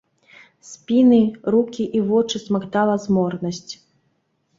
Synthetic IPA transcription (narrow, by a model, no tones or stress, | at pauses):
sʲpʲinɨrukʲiʔivɔt͡ʂɨsmakt̪alˠɐzmɔrnɐsʲt͡sʲ